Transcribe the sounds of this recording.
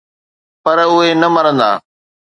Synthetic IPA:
pɐɾʊɦenɐmɐɾə̃nd̪a̰ː

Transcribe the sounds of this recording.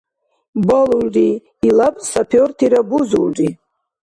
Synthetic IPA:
baluriː | lapʼsapʰortʰiɾabuzulri

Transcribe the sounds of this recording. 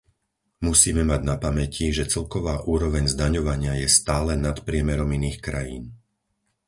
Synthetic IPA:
musiːmɛmaɟnapamɛcʰiʒɛt͡sɛlkɔʋaːʔuːɾɔʋɛɲzd̪aɲɔʋaɲɪajɛst̪aːlɛnat̪pɾɪɛmɛɾɔminiːxkɾajiːn

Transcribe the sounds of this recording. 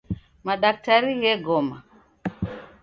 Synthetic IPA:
maɗaktaɾijɛɡɔma

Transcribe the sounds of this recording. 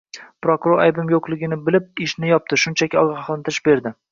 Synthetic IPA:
pɾokuɾoɾajbɪmjoqlˠɪɡʲɪnɪbɪlɪp̚ɪʃnɪjɒp̚t̪ɪʃʊnt͡ʃʰakʲɪɒʁɑχlˠɪnt̪ɪɾɪʃbe̞ɾd̪ɪ

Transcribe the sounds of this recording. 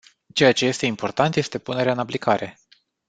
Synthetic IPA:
t͡ʃe̞jat͡ʃe̞je̞st̪e̞impo̞rt̪ant̪je̞st̪e̞pune̞ɾeaɨnaplikaɾe̞

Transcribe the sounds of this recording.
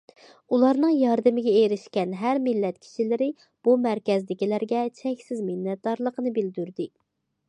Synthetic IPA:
ulˠɑɾnɨŋjɑɾd̪ɨmɪɡʲɛeɾɪʃkʲɛnɦæɾmɪlːɛt̪̚kʲʰi̥ʃilɪɾɪ | b̥umæɾkʲɛzd̪ɪkʲilæɾɡʲɛt͡ʃʰɛkʲsɪzmɪnːɛt̪̚d̪ɑɾlˠəqənɨbɪld̪yɾd̪ɪ

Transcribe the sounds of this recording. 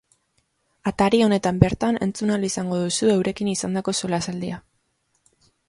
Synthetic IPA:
at̪aɾio̞ne̞t̪ambe̞ɾt̪ane̞nt͡sunalisaŋɡo̞ðusue̞wɾe̞kinisand̪ako̞so̞lasald̪ia

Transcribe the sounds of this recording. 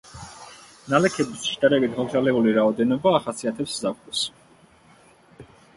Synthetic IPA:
nalɛkʰɛbisʃd̪aɾɛbitd̪ʁɔɡzalɛuliɾaɔd̪ɛnɔbaːχasiat̪ʰɛpszakʰus

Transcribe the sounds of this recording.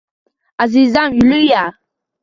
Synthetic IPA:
azizamjuluja

